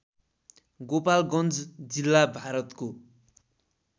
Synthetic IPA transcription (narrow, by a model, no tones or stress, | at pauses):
ɡopalɡʌnd͡zd͡zilːabʱaɾʌt̪ko